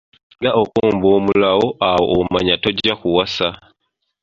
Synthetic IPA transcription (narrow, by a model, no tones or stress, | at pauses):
ŋɡaokuːmboːmulawoʔawo̰ʔomaɲatoɟakuwasa